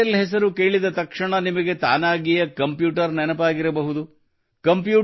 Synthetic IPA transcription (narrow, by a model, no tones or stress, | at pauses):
ɐlɦɛs̬ɐɾukeːɭid̪ɐt̪ɐkʂɐɳɐnimɐɡet̪a̰ːnaːɡijɐkɐmpjuːʈɐɾnɛnɐpaːɡiɾɐbɐɦud̪u | kɐmpjuː